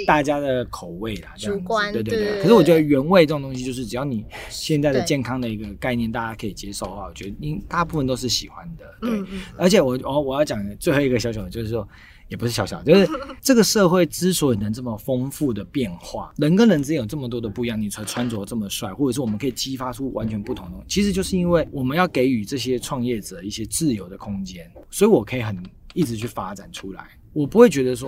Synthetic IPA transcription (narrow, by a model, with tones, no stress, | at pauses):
t̪a˥˩t͡ɕja˥d̪ə˨kʰo˨˩ʊwe˥˩ɪlɐ˩t͡ɕte˥˧ɪt̪̬e˥˧t̪e˥˩kʰə˨˩ʂ̬ɻ̩˥˩wɔ˨˩t͡ɕjo˧˥˩dɥɛ˧˥nwe˥˧ɪʈ͡ʂɤ˥˩˨t̪o˥ŋɕ̬i˧t͡ɕjo˧ʂɻ̩˥˩ʈ͡ʂɻ̩˩jɑ˥˩ʊni˨˩ɕjɛ˥˧nt͡sa˥ɪd̪ə˩t͡ɕjɛ˥˩nkʰɑ˥ŋd̪ə˨i˧˥ɡə˧ka˥˧ɪnjɛ˥˧nt̪a˥˩t͡ɕja˥kʰə˧˥i˨˩t͡ɕjɛ˥ʂo˥˩ʊxa˥˩wɔ˨˩t͡ɕɥɛ˦˥d̪ə˧i˥nt̪a˥˧pu˥˩fə˨nt̪o˥ʊʂ̬ɻ̩˥˩ɕḭ˨˩xwa˦nd̪ə˨t̪we˥˩ə˞˧˥t͡ɕʰjɛ˨˩wɔ˨˩wwɔ˨˩jɑ˥˩ʊt͡ɕjɑ˨˩ŋt͡swe˥ɪxo˥˩˧i˧˥ɡə˨ɕjɑ˧˥ʊɕ̬jɑ˨˩d̪ə˨jo˥˧ʊʂɻ̩˥˩ʂwɔ˦˥ | jɛ˨˩pu˧ʂɻ̩˥˩ɕjɑ˧˥ɕjɑ˨˩˦t͡ɕo˥˧ʊʂɻ̩˥˩ʈ͡ʂɤ˥˩ɡə˨˩ʂɤ˥˧xwe˥˩ɪt͡sɹ̩˥swɔ˧˥i˨˩nə˧˦ŋʈ͡ʂə˥˩mə˩fɤ˥ŋfu˥˩d̪ə˩pjɛ˥˨nxwa̰˥˩lə˧˦ŋkə˥lə˧nt͡s̩˧e˥jo˨˩ʊʈ͡ʂɤ˥˩mə˩t̪̬wɔ˥d̪ə˨pu˧i˥jɑ˥˩ŋni˨˩˧ʈ͡ʂʰwa˦nt͡swɔ˧˦ʈ͡ʂɤ˥˩mə˩ʂwa˥˧ɪxwɔ˥˩ʈ͡ʂə˨˩ʂɻ̩˥˩wɔ˨˩mə˦ŋkʰə˧˥i˨˩t͡ɕi˥fa˥ʈ͡ʂʰu˥wʔa˧˦nt͡ɕʰɥɛ˧˦npu˥˩t̪ʰʊ˧˥ŋd̪ə˩˥˩t͡ɕʰi˧˥ʂ̬ɻ̩˧˦t͡ɕjo˥˧ʊʂɻ̩˥˩˧i˥nwe˥˩ɪwɔ˨˩mə˦njɑ˥˩ʊke˧˥ɪy˨˩ʈ͡ʂɤ˥˩ɕjɛ˥ʈ͡ʂʰwɑ˥˧ŋjɛ˥˩ʈ͡ʂə˨˩d̪ə˦i˥˩ɕjɛ˦˥t͡sɹ̩˥˩jo˧˥ʊd̪ə˨kʰʊ˥ŋt͡ɕjɛ˦˥nswɔ˧˥i˧˥wɔ˨˩kʰə˧˥i˨˩xə˨˩ni˥˩ʈ͡ʂɻ̩˧˥t͡ɕʰy˥˩fa˦ʈ͡ʂa̰˨˩nʈ͡ʂʰu˦˥la̰˨˦ɪ | wɔ˨˩pu˧˥xwe˥˩ɪt͡ɕɥɛ˧˥d̪ə˧s̬wɔ˥